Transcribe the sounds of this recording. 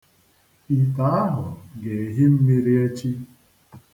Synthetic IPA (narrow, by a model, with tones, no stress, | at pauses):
i˨ta˦a˦ɦʊ˨ɡe˨ɦi˦m̩˦mi˦ɾi˦e˦t͡ʃi˦